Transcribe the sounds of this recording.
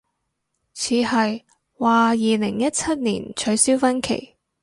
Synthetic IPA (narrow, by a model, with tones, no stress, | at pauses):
t͡sʰiː˨˧hɐ˨j | waː˨jiː˨lɪ˨˩ŋjɐ˥t̚t͡sʰɐ˥t̚nḭː˨˩nt͡ʃʰɵ˨˧ɥsiː˥wfɐ˥nkʰḛ˨˩j